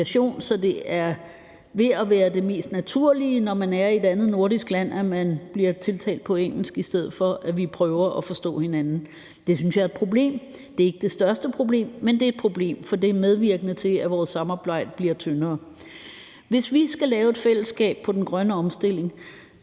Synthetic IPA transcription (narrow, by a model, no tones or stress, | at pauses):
æɕo̝̰ːnsɒ̽d̥e̝æɐ | ʋe̝æʋæːɐd̥e̝me̝̰ːsd̥næt͡sʰuɐ̰linɒmænæɐied̥ænð̩ˠno̝ɐɾ̥isɡ̥læn̰æmænb̥liɐt͡sʰe̝lt͡sʰɛ̰ːld̥̚pʰɒ̽eŋ̰l̩sɡ̥isd̥eð̞̰̩ˠfɒ̽ʔæʋipʰʁœːʊɐʔɒfɒ̽sd̥ɔ̰ːhe̝nænn̩ | d̥e̝synsjɑ̈ɐed̥̚pʰʁo̝b̥le̝̰ːm | d̥e̝ɐe̝ɡ̥əd̥e̝sd̥ɶɐsd̥əpʰʁo̝b̥le̝̰ːmːend̥e̝æd̥̚pʰʁo̝b̥le̝̰ːmfɒ̽d̥e̝æmeð̞ˠʋiɐ̰ɡ̥ənət͡sʰe̝æʋɒːsːɑ̈mɑ̈ːb̥ɑ̈ɪ̰d̥əb̥liɐt͡sʰønɐː | ʋe̝sʋisɡ̥ælɛːʊe̝d̥fel̰əsɡ̥ɛ̰ːb̥̚pʰɒ̽d̥enɡ̥ʁɶnəɒ̽msd̥e̝l̰e̝ŋ